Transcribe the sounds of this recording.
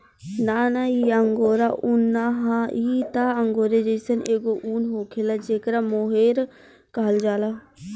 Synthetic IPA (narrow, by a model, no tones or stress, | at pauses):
naːnaːiəŋɡoːɾaʔʊnːaːɦãːiːt̪aːəŋɡoːɾed͡ʒəɪsəneːɡoʔuːnɦoːkʰelad͡ʒeːkɾaːmoːɦeːɾ | kaːld͡ʒaːlaː